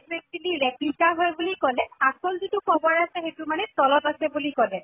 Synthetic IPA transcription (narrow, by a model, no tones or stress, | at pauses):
kɹestiliɹeplikaɦojbulikɔlɛasɔlzitukɔbɔɹasɛxetumanɛstɔlɔtasɛbulikɔlɛ